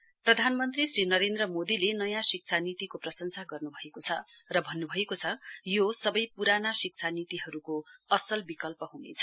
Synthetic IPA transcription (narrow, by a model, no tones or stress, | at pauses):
prʌd̪ʱanmʌnt̪risrinʌɾend̪rʌmod̪ilenʌjãsik̚t͡sʰanit̪ikoprʌsʌŋsʰaɡʌrnubʱʌekot͡sʰʌ | rʌbʱʌnːubʱʌekot͡sʰʌjosʌbʌjpuɾanasik̚t͡sʰanit̪iɦʌɾukoʌsʌlbikʌlpʌɦunḛt͡sʰʌ̥